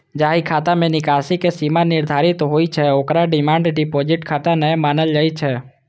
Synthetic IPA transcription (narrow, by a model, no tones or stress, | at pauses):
d͡ʒaːɦikʰat̪amẽnikasikesimanɪɾd̪ʱaɾit̪ɦoit͡ʃʰeokɾaɖɪmãːɳɖɖipod͡ʒɪʈkʰat̪anə̃maːnəld͡ʒəit͡ʃʰe